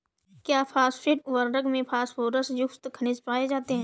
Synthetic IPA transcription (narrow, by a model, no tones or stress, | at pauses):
kjaːpʰaːsfʰɾɪʈ̚ʋəɾɾəɡmẽpʰaːsfoːɾəsjʊkt̪kʰənɪspaːed͡ʒaːt̪eɦɛ̃ː